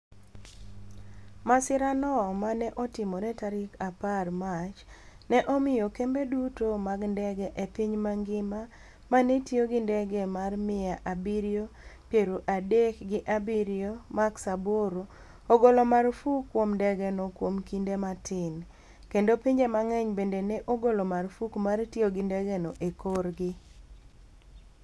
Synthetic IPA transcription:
masɪɾanɔmanɛʔɔtɪmoɾɛtaɾɪkaparmat͡ʃ | nɛʔɔmɪjokembedutomaɡndɛɡɛʔepiɲmaŋɡɪma | manetjoɡɪndɛɡɛmarmɪaʔabiɾiopjeɾoʔadekɡɪʔabiɾijomaksaboɾo | oɡolomarfukːwomndɛɡɛnokwomkindematʰɪn | kendopiɲd͡ʒemaŋɛɲbendenɛʔoɡolomarfukmartjoɡɪndɛɡɛnoʔekorɡɪ

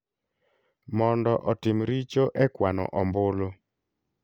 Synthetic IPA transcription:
mɔndɔʔɔtɪmɾit͡ʃoʔɛkwanɔ̰ʔɔmbʊlo

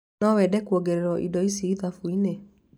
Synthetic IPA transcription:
nɔwɛdɛkuɔɡɛɾɛɾwɔʔḭdɔisiːðafuine

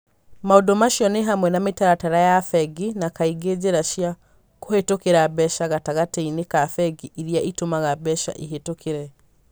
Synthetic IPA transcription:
maodomaʃiɔneɦamwɛnametaɾataɾajafɛɡinakaiɡed͡ʑeɾaʃjia | kohetokeɾabɛʃaɣataɣateinekafɛɡiʔiɾiaʔitomaɣabɛʃa̰ʔiɦetokʰeɾɛ

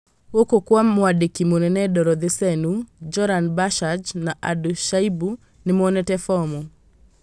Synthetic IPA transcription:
okokwamwadikimonɛnɛdɔɾɔd̪ɪsɛnud͡ʒɔɾanbaʃad͡ʒnaʔaduʃaibu | nɪmɔnɛtɛfɔmɔ

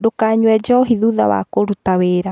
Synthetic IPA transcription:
dokaːɲwɛd͡ʒɔɦiðuða̰wa̰koɾutaweɾa

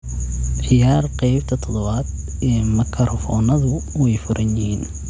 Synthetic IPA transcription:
ʕɪjaːrqɛjbt̪ʰɐt̪ʰɔðɔβaːd̪ɛːmɐkʰɐɾɔfɔːnɐðʊwɛjfʊɾʔɐnjɪhiːn

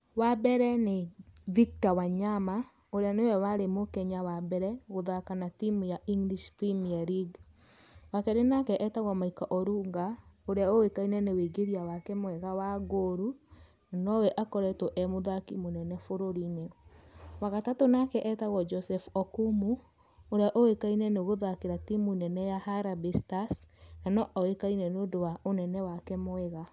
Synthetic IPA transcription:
wabɛɾɛnevik̚tawaɲama | oɾeanewɛwaɾemokɛɲawabɛɾɛɣoðakanatimujaʔiŋɡliʃpɾimiaɾiɡ | wakɛɾenakɛʔɛtaɣɔmaikaʔɔɾuŋɡaoɾeaowekainɛneweɡeɾiawakɛmwɛɣawaɡoɾu | nanɔwɛʔakɔɾɛtɔʔɛmoðakimonɛnɛfoɾoɾine | waɣatatonakɛʔɛtaɣɔd͡ʒɔsɛfɔkumu | oɾeaʔowekainɛneoɣoðakeɾatimunɛnɛjahaɾabestasnanɔʔɔwekainɛnondowaonɛnɛwakɛmwɛɣa

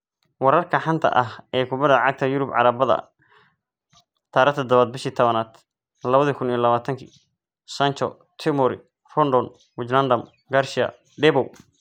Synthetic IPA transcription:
wɑɾɐrkʰɐħant̪ʰɐ̰ʔɐɦɛːkʰʊbɐðɐʕɑɡ̚t̪ʰɐjʊɾʊbʕɑ̰ɾɐbɐðɐ̰ | t̪ʰaːɾɐt̪ʰɐd̪ɐβaːd̪̚bɪʃiːt̪ʰɔβɐnaːd̪ | lɐβɐðikʰʊnijlɐβaːt̪ʰɐŋkʰḭː | sɐnt͡ʃɔ̰ | t̪ʰɪmɔɾɪ̰ | fɔnd̪ɔn | wɪt͡ʃlɐnd̪ɐm | ɡarʃɪɐ̰ | ɖɛbɔw

